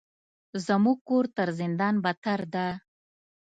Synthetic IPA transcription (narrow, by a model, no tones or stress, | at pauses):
zəmuɡ̚koɾt̪əɾzɪnd̪ɑnbat̪aɾd̪a